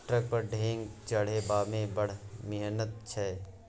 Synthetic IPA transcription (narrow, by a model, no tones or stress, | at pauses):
ʈɾək̚pəɾɖʱẽːŋɡt͡ʃɐɽ̤eːbaːmẽbəɽ̤mɪɦnət̪̚t͡ʃʰɛ